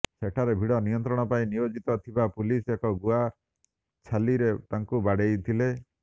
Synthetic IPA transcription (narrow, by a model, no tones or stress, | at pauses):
seʈʰaɾebʱiɽɔnijɔnt̪ɾɔɽ̃ɔpaĩnijod͡ʒit̪ɔt̪ʰibapulisekɔɡua | t͡ʃʰaliɾet̪aŋkubaɽejt̪ʰile